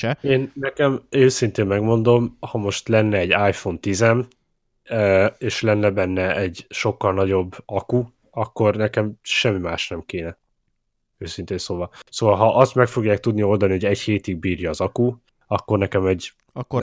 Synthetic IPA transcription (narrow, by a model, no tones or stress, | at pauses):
eːnːɛkɛmøːsint̪eːmmɛɡmo̞nd̪o̞mhɒmo̞ʃt̪lɛnːɛɛɟaːjfo̞nt̪izɛm | øeːʃlɛnːɛbɛnːɛɛɟʃo̞kːɒlnɒɟo̞bːɒku | ɒkːo̞rnɛkɛmʃɛmːimaːʃnɛmkeːnɛ | øːsint̪eːnsoːvɒsoːvɒlɦɒʔɒst̪mɛkfo̞ɡjaːk̚t̪ud̪nio̞ld̪ɒniho̞ɟɛcheːt̪iɡ̚biːrjɒːzɒku | ɒkːo̞rnɛkɛmɛɟ